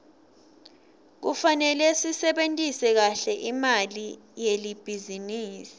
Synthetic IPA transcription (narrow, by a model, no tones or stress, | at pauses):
k̬ufanɛlɛsisɛɓentʼisɛk̬aɬɛʔimali | jelib̥ʱiziniːsi̥